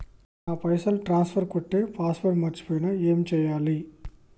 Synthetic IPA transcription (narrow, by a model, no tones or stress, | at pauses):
naːpɐjsɐlʈɾaːnsfʰɐɾkɔʈːeːpaːsfɐɾmɐt͡ʃːi̥poːjnɐeːmt͡ʃɛjːaːli